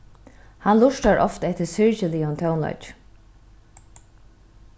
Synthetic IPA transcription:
hanlʊʂʈaɹʔɔ̰ft̪ɛht̪ɪsɪɹcɪliːʊnt̪ʰɔwnlɔ̰t͡ʃ

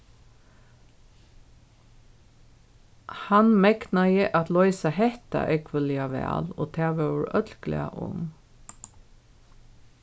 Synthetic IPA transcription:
hanmɛɡnajəʔat̪lɔʏsahɛht̪a̰ʔɛːɡʰʋɪljaʋæ̰ːloːt̪ʰæːʋæɹœt̪lklɪ̰a̰ʔʊ̰m

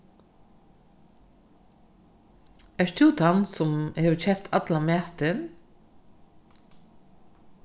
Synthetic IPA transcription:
ɛʂt̪ʰuːt̪ʰansʊmheːʋçɛpt̪ʰat̪lamæːt̪ɪn

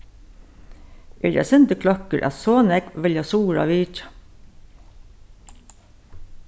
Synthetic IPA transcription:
ʔḛːɾjæ̰sʏnt̪əkʰlɔkəɹʔɑ̰soːnɛɡʋɪljɑsuːɾɑ̰ʋiːt͡ʃɑ̥

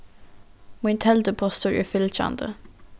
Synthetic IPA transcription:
mɪnt̪ʰɛld̪əpʰɔst̪uɹʔʉ̰ːfɪlçɑ̰nd̪ə̰

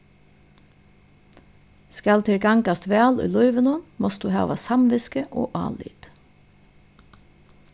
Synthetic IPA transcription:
skalt̪ʰɪɹɡɑŋkast̪ʋɛːlʊ̰jlɔʏʋənʊnmɔsd̪uːɦɑ̰ːʋasamʋɪskəʔo̰ːʔɑ̰ːlḭːt̪

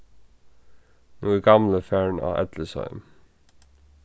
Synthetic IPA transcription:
nuːəɡɑmləfæːɳɑ̰ːʔɛ̰d̪ləsœ̰ʏm

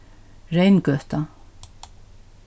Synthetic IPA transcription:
rejnkœht̪a

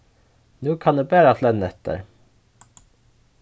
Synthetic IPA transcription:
nuːkʰɑnd̪eːbæːɾɑflɛnːɛt̪ə̰ɾ

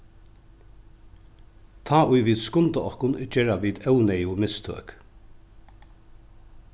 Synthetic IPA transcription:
t̪ʰaːʔʊjʋiːd̪skʊnt̪əɔhkʊnt͡ʃɛːɹaʋiːd̪œwnɛjʊmɪst̪ʰø̰ːk

